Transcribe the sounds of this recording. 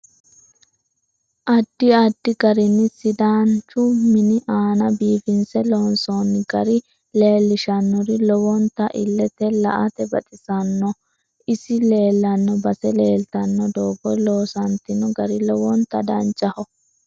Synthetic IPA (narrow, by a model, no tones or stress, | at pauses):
ʔɐd̪ːɪɐd̪ːɪɡɐɾɪnːɪsɪd̪aːnt͡ʃʊmɪnɪʔaːnɐbiːfɪnsɛloːnsonɡɐɾɪ | le̞ːlːɪʃɐnːɔɾɪlɔwɔnt̪ːɐʔɪ̰lːɛt̪ɛlɐ̰ʔɐt̪ɛbɐt̪ʼɪsɐnːɔ | ʔɪsɪle̞ːlːɐnːɔbɐsɛleːlt̪ɐnːɔd̪oːɡɔjloːsɐnt̪ɪnɔɡɐɾɪlɔwɔnt̪ːɐd̪ɐnt͡ʃʼːɐhɔ